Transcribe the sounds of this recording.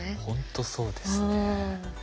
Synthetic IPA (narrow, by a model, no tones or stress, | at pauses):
hõnt̪oso̞ːd̪es